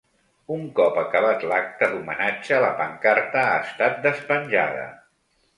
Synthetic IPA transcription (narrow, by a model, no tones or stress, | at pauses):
uŋkɔpəkəβat̪lak̚t̪əðumə̰nad͡ʒələpəŋkaɾt̪əaːst̪at̪̚d̪əspənʲʒa̰ð̞ə̰